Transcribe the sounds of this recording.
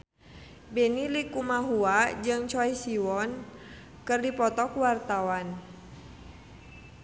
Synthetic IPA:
bɛnilikumaɦuad͡ʒɨŋt͡ʃɔisiwɔn | kɨrdipɔt̪ɔkwart̪awan

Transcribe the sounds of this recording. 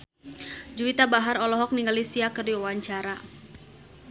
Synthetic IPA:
d͡ʒuit̪abaɦaɾɔlɔɦɔk̚niŋɡalisiakɨrdiwawaɲt͡ʃaɾa

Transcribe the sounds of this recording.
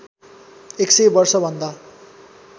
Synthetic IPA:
eksʌjbʌrsʌbʱʌnd̪a

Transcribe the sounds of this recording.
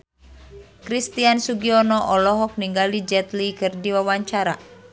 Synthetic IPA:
kɾist̪iansuɡiɔnɔʔɔlɔɦɔk̚niŋɡalid͡ʒɛt̪likɨrdiwawaɲt͡ʃaɾa

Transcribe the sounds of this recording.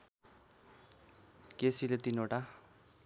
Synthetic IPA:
kesilet̪inoʈa

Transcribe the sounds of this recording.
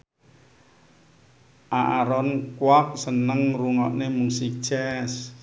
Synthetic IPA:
ʔaʔaɾɔnkwak̚sənəŋruŋɔʔnemuŋsik̚t͡ʃɛs

